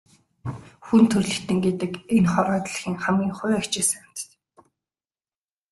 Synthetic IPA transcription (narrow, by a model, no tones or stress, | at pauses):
xunt̪ʰɵrɮɘ̆xt̪ɘ̆ŋɡet̪ɘ̆kenχɔɾɔːt̪ɮ̆xiːŋχamɡʲiːŋχʊjakt͡ɕeːsæm̥t̪t̪